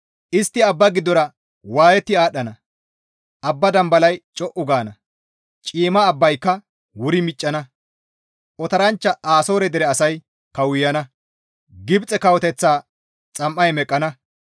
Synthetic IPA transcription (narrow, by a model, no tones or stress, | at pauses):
ʔɪst̪ːɪɐbːɐɡɪd̪ːɔɾɐ | waːjɛt̪ːɪaːɗːɐnɐ | ʔɐbːɐd̪ɐmbɐlɐjt͡ʃʼɔʔʊɡaːnɐ | t͡ʃʼiːmɐːbːɐjkːɐ | wʊɾɪmɪt͡ʃʼːɐnɐ | ʔɔt̪ɐɾɐnt͡ʃːɐʔaːsoːɾɛd̪ɛɾɛɐsɐj | kɐwʊjːɐnɐ | ɡɪbt͡sʼɛkɐwɔt̪ɛt͡sːaː | t͡sʼɐmːɐjmɛkʼːɐnɐ